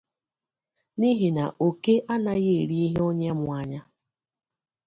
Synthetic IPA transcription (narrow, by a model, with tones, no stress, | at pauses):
ni˦ɦi˨na̰˨ʔo˨ke˦ʔa˦na˦ɣe˦˨ɾi˦i˦ɦe˦o˦ɲe˦mʊ˨a˦ɲa˦